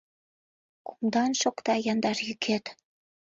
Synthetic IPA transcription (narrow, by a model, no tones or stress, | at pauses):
ku̥md̪ɑnʃokt̪ɑjɑnd̪ɑrjykʰet̪